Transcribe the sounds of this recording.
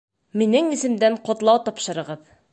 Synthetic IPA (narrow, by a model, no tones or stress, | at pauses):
minɘŋisɘ̆md̪æɴqŏt̪lˠɑwt̪ɒpʃɤ̆ɾɤ̆ʁɤð